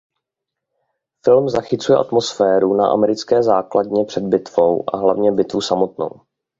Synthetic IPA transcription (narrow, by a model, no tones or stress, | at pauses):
fɪlmzaxɪt͡sujɛʔat̪mo̞sfɛːɾuna̰ʔa̰mɛɾɪt͡skɛːzaːkladɲɛpr̥ɛd̪̚bɪt̪v̥o̞wʔa̰ɦlavɲɛbɪt̪vusamo̞t̪no̰w